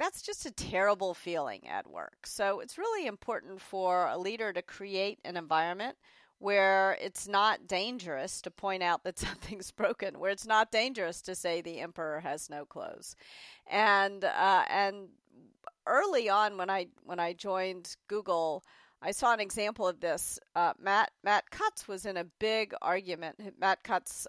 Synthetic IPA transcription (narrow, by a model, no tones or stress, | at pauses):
ðætsd̥ʒ̥ʌstɨtʰɛɹəbl̩ˠfilˠɪ̰̃ŋɨ̰t̚wɜ̰˞ksoʊɨtsɹɪlˠiɨ̃mpʰɔɹʔn̩tfə˞ə̰liɾə˞ɾɨkʰɹ̥ieɪɾɨ̰̃nɨ̃ɱvaɪɹɨ̃nmɨ̃nt̚ | wə˞ɪ̰tsnət̚d̥ẽɪ̃nd͡ʒə˞ɨstʰɨpʰɔ̃ɪ̃ɾ̃aʊt̪̚ðɨtsʌ̃mθɪ̃ŋzbɹoʊkɨ̃nwə̰˞ɨtsnət̚d̥ẽɪ̃nd͡ʒə˞ɨstʰɨseɪðiɛ̃mpə˞əɨznoʊkʰl̥o̰ʊz̥ʔɨ̃nɨ̃n | ʔɜ˞lˠiə̃nwə̃naɪwə̃ñaɪd͡ʒɔ̃ɪ̃nɡ̥uɡl̩ˠ | ʔaɪsɔə̃nɨɡzæ̃mpl̩ˠʌvðɪsmæt̚mæt̚kʰʌtswʌzɨ̃nɨbɪɡɑ̰ɹɡjɨmɨ̃nmæt̚kʰʌts